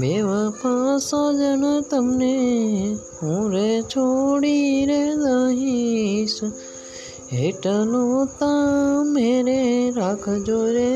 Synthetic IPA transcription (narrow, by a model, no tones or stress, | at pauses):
beːʋapʰãsad͡ʒənt̪əmne | ũːɾet͡ʃʰoɽiɾed̪aːɦis | eʈəlot̪ãmeːɾeɾaːkʰd͡ʒoːɾe